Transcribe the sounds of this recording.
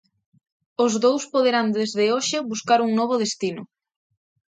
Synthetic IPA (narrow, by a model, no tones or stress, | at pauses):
ʊzðowspoðeɾand̪ezðeoʃɪβuskaɾuŋnɔβ̞ʊðest̪inʊ̰